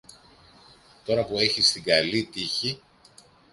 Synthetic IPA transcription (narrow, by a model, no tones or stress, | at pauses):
t̪o̞ɾɐpue̞çist̪iɡɐlit̪içi